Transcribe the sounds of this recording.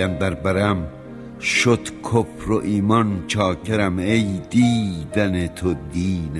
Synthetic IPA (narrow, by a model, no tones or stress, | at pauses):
æmd̪æɾbæɾæm | ʃod̪̥kʰofɾoʔiːmɒnt͡ʃʰɒːkʰeɾæmejd̪iːd̪ænet̪ʰod̪iːn